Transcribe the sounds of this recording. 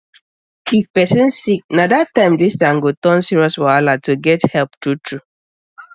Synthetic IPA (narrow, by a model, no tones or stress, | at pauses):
ifpɛsɪ̃nsik̚nadatːãɪ̃mdistãŋ̩ɡotɔ̃nsiɹɔswaalatoɡɛthɛlptutʰɹu